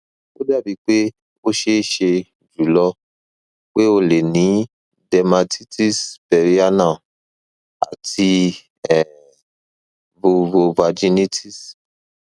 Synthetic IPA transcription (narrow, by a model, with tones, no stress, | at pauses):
o˦da˦˨bi˨˧˦k͡pe˦ | o˦ʃe˦ʃe˧ | d͡ʒu˨lɔ˧ | k͡pe˦o˧le˨nĩ˨˦ | dɛ˧ma˧ti˦ti˦˨sbɛ˧ɾi˦a˦nã˦˨ | a̰˨tʰi˧ | ɛ˨ | bo˧vo˧va˧d͡ʒi˦ni˦tʰi˦˨s